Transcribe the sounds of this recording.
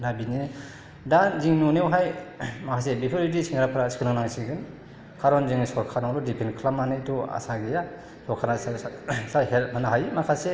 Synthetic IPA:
nabini | danziŋnunewɦajmakʰasebipʰoɾidisʰiŋɡɾapʰɾasi̥kinaŋnaŋsiɡɯn | kʰaɾɔnziŋsɔɾkʰaɾnaŋdɔdipʰenkʰlamanetɔa̰saɡija | sɔɾkʰanasasahelmanaɦajmakʰase

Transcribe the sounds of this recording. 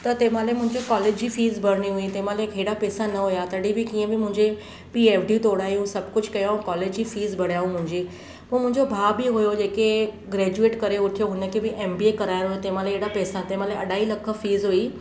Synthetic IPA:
t̪ɐt̪eːmãlemʊ̃ɦɪ̃ɲd͡ʑokɔːleːd͡ʑd͡ʑiːfiːzbʱɐɽɽiɦʊit̪eːmãːleeːɽapɛːsanɐɦʊjat̪ɐɽibɪkiːə̃bɪmʊ̃ɦɪ̃ɲd͡ʑe | piːeːfɖit̪oːɽaːjũsɐb̚kʊd͡ʑkɐjaːɦũkɔːleːd͡ʑd͡ʑiːfiːzbʱɐɽ̤jaːɦũmʊ̃ɦɪ̃ɲd͡ʑiː | pũːmʊ̃ɦɪ̃ɲd͡ʑobʱaːbiɦʊjod͡ʑeːke | ɡɾɛːd͡ʑueːʈkɐɾeʊʈʰijoɦʊnəkʰebɪʔeːmbiekɐɾaːjɾɦʊjot̪eːmãleeːɽapɛːsat̪eːmãleɐɗaːilɐkʰə̆fiːzɦʊi

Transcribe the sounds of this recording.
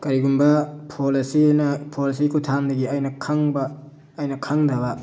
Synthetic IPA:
kɐɾiɡunbɐpʰolɐsinɐpʰolisikutʰandɐɡiɐjnɐkʰɐŋbɐː | jnɐkʰɐŋdɐbɐ

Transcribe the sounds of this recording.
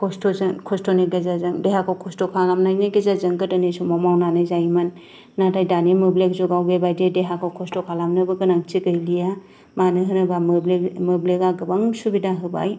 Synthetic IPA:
kʰɔstɔzɯŋkʰɔstoneɡezazɯŋdeɦakʰawkʰɔstɔkʰalamnajnaɡezazɯŋɡɯdɯnesumamawnanɯjzajmanː | atajdanemɯblek̚zuɡawbebajdedeɦakʰawkʰɔstɔkʰalamnɯbɯɡɯnaŋt͡ʃiɡɯjlija | manɯɦɯnɯbamblemɯblekaɡɯbaŋsubidaɦɯba̰j

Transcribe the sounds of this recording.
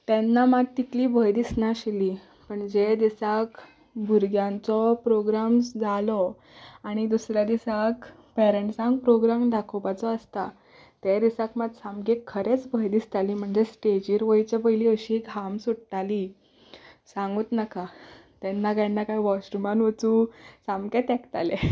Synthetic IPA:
t̪ɛnːamaɡ̚t̪ikliːbʱəjd̪isnaɕili | pəɳd͡ʑed̪isak | bʱuɾɡjãnt͡sɔpɾoɡɾamd͡zalɔ | aɽ̃id̪usɾjad̪isak | pɛɾəɳʈsãŋɡ̚pɾoɡɾamɖakʰopat͡sɔəst̪a | t̪ɛd̪isakmad̪samɡekʰːəɾet͡sbʱəjd̪ist̪aliːm̤əɳd͡zesʈed͡ʑiːɾʋəjt͡ɕapəjliːəɕiɡʱamsuɽʈ̪ali | sãŋɡuːt̪naka | t̪ɛnːaɡanːakaiʋɔɕʈumanʋət͡susamɡɛt̪ɛkt̪alɛ

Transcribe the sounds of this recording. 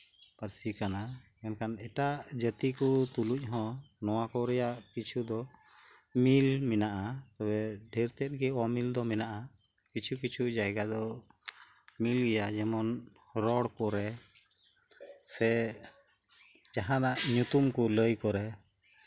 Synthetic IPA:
pəɾsikana | ɛnkʰanɛʈad͡ʒət̪ikut̪uluc̚ˀɦɔ̃nɔwakɔɾɛjaʔkit͡ʃʰud̪ɔ | milmɛnaʔat̪ɔbɛɖʱɛɾt̪ɛt̪̚ˀɡɛɔmild̪ɔmɛnaʔa | kit͡ʃʰukit͡ʃʰud͡ʒajɡad̪ɔ | milɡɛjad͡ʒɛmɔn | ɾɔɽpɔɾɛ | sɛ | d͡ʒaɦãnaʔɲut̪umkuləjkɔɾɛ

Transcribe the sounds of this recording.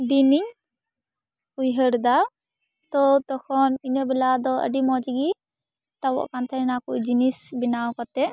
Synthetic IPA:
d̪iniɲ | ujɦəɾd̪a | t̪ɔt̪ɔkʰɔninəbɛlad̪ɔə̰ɖimɔt͡ʃiɡi | t̪awɔ̰ʔkant̪ʰanakud͡ʒinisbinawkɔt̪ɛ

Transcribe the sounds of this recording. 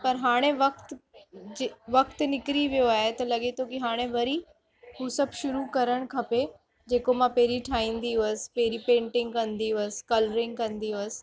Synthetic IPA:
pɐɾɦaːɽ̃eʋɐk̚t̪ː | ʋɐkt̪nɪkɾiʋijoaːɦet̪ɐlɐɡet̪ʰokiɦaːɽ̃ẽʋɐɾi | ɦusɐbʱʃʊɾukɐɾəɽ̃kʰɐpe | d͡ʑeːkomãpeɦɾiʈʰaːĩːnd̪iəspeːɾipẽːɳʈɪ̃ŋɡ̚kɐ̃nd̪iəskɐlɾɪ̃ŋɡ̚kɐ̃nd̪iʊs

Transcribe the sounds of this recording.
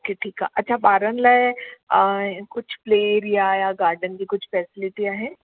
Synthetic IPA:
okeʈʰiːka̰ʔɐtːʃʰabaːɾənlɐ | kʊt͡ʃʰpleːeɾijajaɡaːɾɖənkikʊt͡ʃʰfɛːsɪlɪʈijaɦɛ̃ː

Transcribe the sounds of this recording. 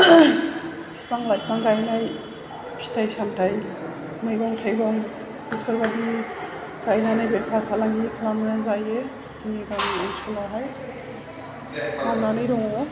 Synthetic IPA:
pʰi̥pʰaŋlaj̚pʰaŋɡajnaj | pʰi̥tʰajsantʰaj | mɯjbɔŋtʰajbɔŋ | bipʰɯɾbadi | ɡ̥ajnanabepʰaɾpʰalaŋikʰlamɯjazaje | ziŋiɡajniansʰulaɦaj | namnanɯjɾɔŋɔ

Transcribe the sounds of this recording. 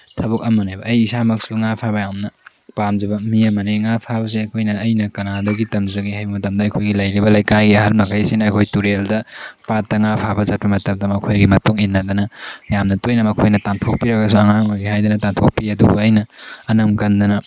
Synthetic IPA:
tʰɐbɐk̚ɐmɐnejbɐːjisamɐk̚suŋapʰabɐjamnɐ | pamzɐbɐmiɐmɐneŋapʰabɐs̬iɐjkʰojnɐːjnɐkɐnadɐɡitɐmzɐɡihajbɐmɐtɐmdɐɐkʰojɡilɐjɾibɐlɐjkajɡiɐɦalmɐkʰajsinɐːjkʰojtuɾeldɐpatːɐŋapʰabɐzat̚pɐmɐtɐmdɐmɐkʰojɡimɐtuŋinːɐdɐnɐjamnɐtojnɐmɐkʰojnɐtantʰok̚piɾɐɡɐsuɐŋaŋojɡiɦajdɐnɐtantʰok̚piɐdṵbṵɐjnɐːnɐmkɐndɐnɐ

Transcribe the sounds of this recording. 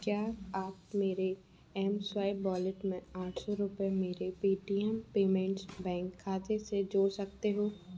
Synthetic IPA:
kjaːaːpmeːɾe | ɛɦmswaːɪbɔːlɪʈmẽaːʈʰsɔɾʊpemeːɾepiːʈiːɛmpeːmɛ̃ɳʈsbɛ̃ːŋkʰːaːt̪esed͡ʒoːɽsɐkt̪eɦoː

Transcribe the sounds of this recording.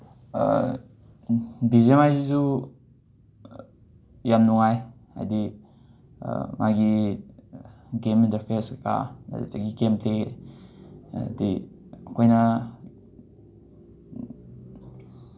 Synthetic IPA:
bizemajzizu | jamnuŋaj | a̰jdḭ | mʔaɡi | ɡemintɐɾpʰeɾska̰a̰dtaɡiɡempʰle | di | akʰojna

